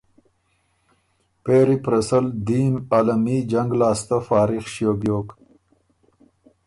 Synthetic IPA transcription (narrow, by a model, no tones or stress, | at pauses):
peːɾipɾɐsəld̪iːmalamid͡ʒaŋɡlaːst̪afaːɾixʃjoːbjoːk